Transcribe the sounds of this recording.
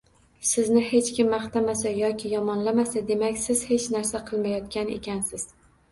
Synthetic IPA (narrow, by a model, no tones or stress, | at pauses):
sɪznɪhe̞t͡ʃkʲɪmːaχt̪amasajɒkʲʰɪjɒmɒnlamasad̪e̞makʲsɪz̥he̞t͡ʃnaɾsaqʰɨlˠmajɒt̪̚kʲanḛkʲansɪz̥